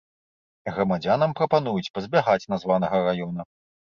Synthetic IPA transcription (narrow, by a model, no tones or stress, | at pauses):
ɣɾɐmad͡zʲanɐmpɾɐpanujut͡sʲpɐzʲbʲaɣat͡sʲnazvan̪ɐɣɐɾajɔn̪ɐ